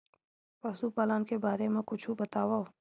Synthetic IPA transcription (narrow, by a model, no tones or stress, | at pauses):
paːsupaːlaːnkebaːɾemẽkʊt͡ʃʰũbɐt̪aːʋa